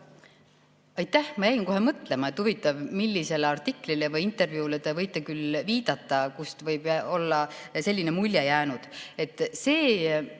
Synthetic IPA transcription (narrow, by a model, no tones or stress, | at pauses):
ɑjt̪ːˑæhmɑjæjinko̞ɦe̞mɤt̪ˑle̞mɑe̞t̪ːhuvit̪ːˑɑvmilʲːise̞leɑrt̪ikːˑlilevɯjint̪ːˑe̞rvjuːlet̪evɤjt̪ːˑekylviːd̪̥ɑt̪ːˑɑkust̪vɤjb̥o̞lːɑse̞lʲːine̞mulʲːjejæːnud̪̥e̞t̪ːˑse̞ː